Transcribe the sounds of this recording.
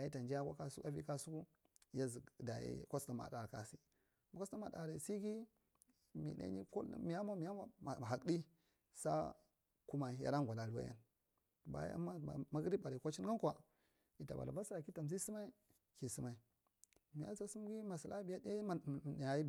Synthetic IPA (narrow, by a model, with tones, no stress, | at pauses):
a˨ji˦ta˨nd͡ʒi˦a˦kʷa˦ka˦sa˦vḭ˦ka˦su˦ku˦ | ja˦zi˨da˨jḭ˦kʷo˦sta˨ma̰˨da˨ɾka˨si˦˨ | ka˦sta˦ma˨da̰˨ɾe˨si˦ɡi˦ | mḭ˨ɗa̰˦nḭ˦ko˦mi˨ja˦ma˦mi˨a˦ma˨ɦa˨kɗi˦ | sa̰˦ | ku˦ma˨i˨ja̰˦a˦ŋ˨ɡʷa˨la˨lu˨wa̰˦ja̰˦n˨ | ba̰˨˦a̰˦ma˦˨ma˦ɡɾi˦ba˨ɾi˨kʷa˦t͡ʃi˦n˦ɡa˦kʷa˨ | i˨ta˨ba̰˨la˨ba˦sɾa˨ki˦ta˨mzi˦si˦ma˦i˦ | ki˨si˦ma˦i˦ | mi˨ja˦sa˦su˦m˦ɡi˦ma˨si˨la˦bi˨ja˦da˦˨a˨ji˦˨